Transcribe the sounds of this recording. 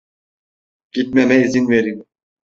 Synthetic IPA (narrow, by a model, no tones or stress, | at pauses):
ɡ̥it̪̚mɛmɛizinveɾim